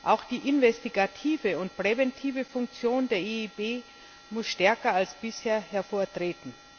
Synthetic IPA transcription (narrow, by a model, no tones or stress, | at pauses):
ʔaʊxd̥iːʔɪnvɛstiɡatʰiːvəʊntpʁ̥ɛvɛntʰiːvəfʊŋk̚t͡sjoːndeːɐʔeibeː | mʊsʃtɛɐkɐalsb̥ɪsheːɐhɛɐfoːɐtʁ̥eːtn̩